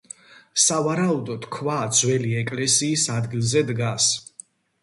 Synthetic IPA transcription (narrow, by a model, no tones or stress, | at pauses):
savaɾaud̪ɔd̪̥kʰvad̪zwɛliɛkʼlɛsiːsad̪ɡilˠzɛd̪ɡas